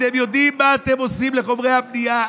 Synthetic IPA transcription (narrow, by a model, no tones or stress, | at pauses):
e̞mjo̞d̪immːaːt̪e̞mo̞simle̞χo̞mʁejhapnija